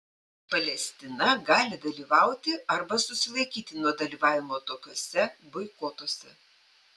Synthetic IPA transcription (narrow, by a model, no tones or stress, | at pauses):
pɐlʲɛsʲt̪ʲɪnɐɡɑːlʲɪd̪ɐlʲiːʋɑˑʊt̪ʲɪɐɾbɐsʊsʲɪlˠɐɪkʲiːt̪ʲɪnuɔd̪ɐlʲiːʋɑːʋʲɪmoːt̪oːkʲoɔsʲɛbɔɪkoːt̪oɔsʲɛ